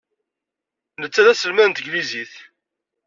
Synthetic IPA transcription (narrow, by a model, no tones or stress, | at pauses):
nət͡sːæðæsəlmænt̪əɡliziθ